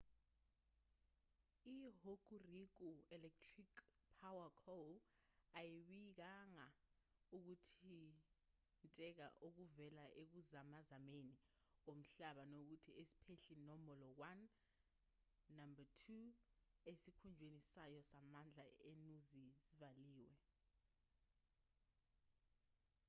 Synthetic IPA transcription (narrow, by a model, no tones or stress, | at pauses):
iɦokurik̬uɛlɛk̚tʰrik | pʰawakʰolajiɓik̬aŋa | uk̬utʰi | ntʼɛk̬a̰ʔok̬uvɛlaʔek̬uzamazameniom̩ɬaɓanok̬utʰiesi̥pʰeɬinɔmɔlɔwan | ambatʰu | esikʰund͡ʒʱwenisajɔsamand͡ɮʱaenuzizivaliːwɛ